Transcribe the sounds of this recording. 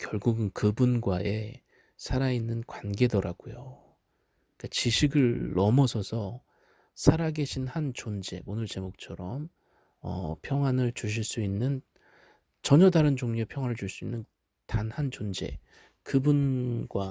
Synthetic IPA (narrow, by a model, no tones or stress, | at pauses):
kjʌɭɡuɡɯnkɯbunɡwae | sʰaɾainːɯnkwanɡe̞dʌɾaɡ̥ujo | ik͈at͡ɕiɕʰiɡɯɭːʌmʌsʰʌsʰʌ | sʰaɾaɡe̞ɕʰinhant͡ɕond͡ʑe̞̰ʔonɯɭt͡ɕe̞mok̚t͡ɕʰʌɾʌm | ʌ̰pʰjʌŋɦwanɯɭt͡ɕuɕ̬ʰiɭs͈uinːɯn | t͡ɕʌɲʌdaɾɯnd͡ʑoŋɲepʰjʌŋɦwanɯɭt͡ɕuɭs͈uinːɯn | tanhant͡ɕond͡ʑe̞̰ | kɯbunɡwa